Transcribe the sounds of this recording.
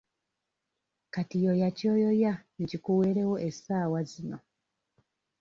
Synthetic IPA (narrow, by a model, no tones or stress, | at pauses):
katijojacojojanicikuweɾewoʔesaːwazino